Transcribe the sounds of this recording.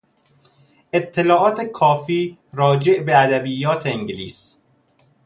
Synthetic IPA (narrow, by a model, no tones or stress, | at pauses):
ʔet̪ʰːelɒːʔɒːt̪ʰekʰɒːfiːɾɒːd͡ʒeʔbeæd̪æbijːɒːt̪ʰeeŋɟlḭːs